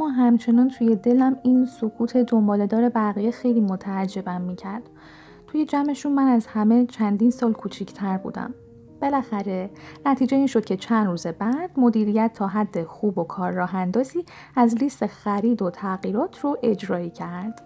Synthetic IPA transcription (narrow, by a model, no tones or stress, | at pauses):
mɒːɦæmt͡ʃʰe̞nɒːnt̪ʰuːje̞d̪e̞læmiːnsokʰuːt̪ʰe̞d̪o̞mbɒːle̞d̪ɒːɾe̞bæɣijexe̞jliːmo̞t̪ʰæːd͡ʒːe̞bæmːiːcʰæɾd̪̥ | t̪ʰuje̞d͡ʒæme̞ʃunmænæzhæme̞t͡ʃʰænd̪iːnsɒːlkʰuːt͡ʃʰicʰt̪ʰæɾbṵːd̪æ̰m | b̥e̞læxæɾe̞næt̪ʰiːd͡ʒe̞inʃo̞d̪̥̚cʰe̞t͡ʃʰænd̪ruːze̞bæd̪̥mo̞d̪iːɾijæt̪ʰːɒːɦæd̪ːe̞xuːbo̞kʰɒːɾːɒːɦænd̪ɒːziː | æzlist̪exæɾiːd̪o̞t̪ʰæɣiːɾɒːt̪ʰroʔe̞d͡ʒɾɒːiːcʰæɾd̪̥